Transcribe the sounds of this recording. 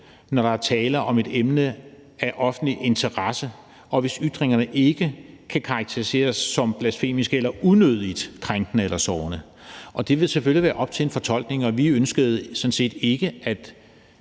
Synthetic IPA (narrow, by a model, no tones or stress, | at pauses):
nɒɾ̥ɑ̈æt͡sʰɛːlɐʔɒ̽me̝d̥emnə | æʔɒ̽fn̩̥liʔe̝nt͡sʰɐʁasə | ʔɒ̽ʋe̝syd̥ʁeŋɐnəʔe̝ɡ̥ə | kʰækʰɑ̈ɑ̈ɡ̥̚t͡sʰeʁise̝̰ːɐsːɒ̽mb̥læsfe̝̰ːmisɡ̥əelɐunøð̞̰ˠid̥kʰʁaŋɡ̥nəelɐsɒːʊnə | ʔɒ̽d̥e̝ʋe̝lseføljiʋæːɐʔɒ̽b̥̚t͡sʰe̝e̝nfɒ̽t͡sʰɒ̽l̰ɡ̥ne̝ŋɒ̽ʋiønsɡ̥əð̞̩ˠsɔ̽n̩se̝̰ːd̥e̝ɡ̥əæd̥